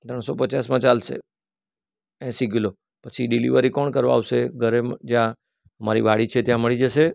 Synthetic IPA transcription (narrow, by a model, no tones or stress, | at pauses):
t̪ɾəɳ̃sopət͡ʃasmãt͡ʃalʃḛ | ɛ̃siɡilo | pət͡ʃʰiɖilḭʋəɾikɔɳkəɾʋa̰aʋʃeɡʱəɾemd͡ʒjã | əmaɾḭʋaɽit͡ʃʰet̪jãməɭid͡ʒəʃe